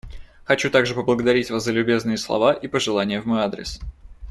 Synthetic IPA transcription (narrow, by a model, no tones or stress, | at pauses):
xɐt͡ɕut̪aɡʐɨpəblˠəɡəd̪ɐɾʲitʲvaszəlʲʉbʲe̞znɨjəslˠɐ̰vaʔipəʐɨlˠanʲɪjəvmojad̪ɾʲɪ̰s